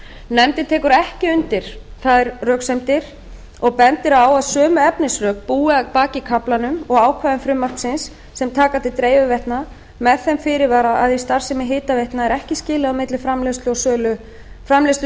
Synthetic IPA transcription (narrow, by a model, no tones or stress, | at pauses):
nɛmt̪ɪ̥t̪ʰɛːkʏɾɛhcɪʏnt̪ɪɾ̥θaðɛɾrœːksɛmt̪ɪɾ̥ | ɔɣpɛnt̪ɪɾaːwaðsœːmʏɛpnɪsrœːkpuːɪpaːcɪkʰaplanʏmɔɣaːwkʰvaðɪmfɾʏmːar̥ksɪnsː | ɛmt̪ʰaːkat̪ʰɪlt̪ɾeːjvʏvɛht̪na | mɛðθɛmfɪːɾɪɾvaːɾaʔaðist̪ar̥sɛmɪɦɪːt̪avɛht̪naɛɾɛhcɪscɪːlɪamɪt̪lɪfɾamlest̪lʏɔsœːlʏ | fɾamles